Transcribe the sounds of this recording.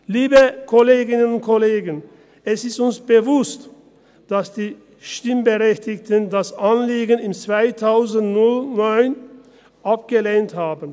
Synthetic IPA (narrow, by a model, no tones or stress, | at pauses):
liːbəkʰoleːɡɪnənʊntkʰoleːɡən | ɛsɪstʊnsb̥əvʊst | d̥asd̥iː | ʃtɪmbəʁɛçtɪktəndasʔanliːɡənɪmt͡sv̥aɪtʰaʊzn̩tnʊlnɔʏn | ʔap̚ɡ̥əleːnthaːbən̩